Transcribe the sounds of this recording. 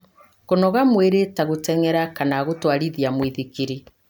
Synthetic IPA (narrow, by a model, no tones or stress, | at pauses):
konɔɣamweɾetaɣotɛŋɛɾakanaɣotwaɾiðiamwiðikiɾi